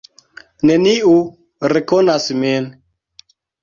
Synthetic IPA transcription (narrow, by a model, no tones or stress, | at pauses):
neniu | ɾekonasmin